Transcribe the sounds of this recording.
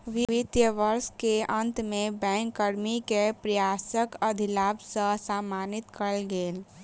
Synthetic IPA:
ʋiit̪jəʋəɾskeənt̪mẽbɛ̃ŋkːəɾmikepɾəjaːsəkəd̪ʱilaːbsəsamaːnit̪kəlɡeːl

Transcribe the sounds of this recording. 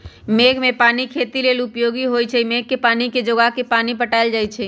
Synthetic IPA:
meːɡmẽpaːnikʰeːt̪ileːlʊpjoːɡiɦoːjt͡ʃʰɛmeːɡ̚kepaːniked͡ʒoɡakepaːnipəʈaːɪld͡ʒaːit͡ʃʰɛ

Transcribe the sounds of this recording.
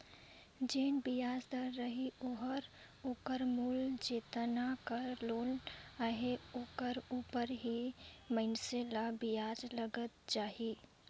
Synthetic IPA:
d͡ʒeːnbijaːd͡ʒd̪əɾːəɦioɦəɾ | oːkəɾmult͡ʃeːt̪nakəɾloːnaɦeoːkəɾuːpəɾɦimənselabijaːd͡ʒləɡət̪̚d͡ʒaːɦi

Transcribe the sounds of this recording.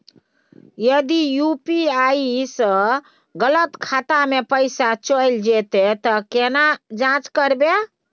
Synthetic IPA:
jəd̪ijupiaisə̃ | ɡələt̪kʰat̪amepəɪsat͡ʃəjld͡ʒet̪et̪əkenad͡ʒãt͡ʃkəɾbe

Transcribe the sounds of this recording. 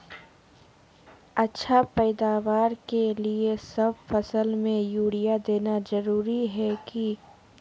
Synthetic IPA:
ɐtːʃʰapɛːd̪aːʋaːɾkeliesɐbfɐsəlmẽjuːɽijad̪eːnazɐɾuːɾiɦɛki

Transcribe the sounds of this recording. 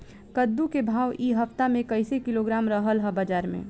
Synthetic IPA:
kəd̪ːukebʱaːwʔiːɦɐft̪amẽkɐɪsekɪloɡɾaːmɾəɦəlɦɛbad͡ʒaːɾmḛ̃ː

